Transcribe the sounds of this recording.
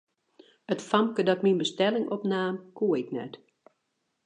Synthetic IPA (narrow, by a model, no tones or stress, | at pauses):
ətfamkədɔtminbəstɛlɪŋʔɔpnaːmkʰuəɪknɛ̰t